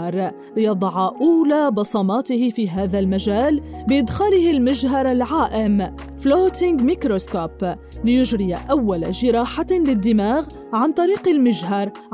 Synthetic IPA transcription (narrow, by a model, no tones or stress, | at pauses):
ɾˤ | lɪjɑd̪ˤɑʕɑʔuːlaːbɑsˤɑmɑːt̪ɪhɪfiːɦaːðalmaʒaːlbɪʔɪd̪xaːlɪhɪlmɪʒɦɑɾˤalʕaːʔɪm | floːt̪ɪŋɡmɪkɾoskoːp | lɪjʊʒɾɪjaʔawːalaʒɪɾɑːħalɪd̪ːɪmaːɣ | ʕant̪ˤɑɾiːqɪlmɪʒɦɑɾˤ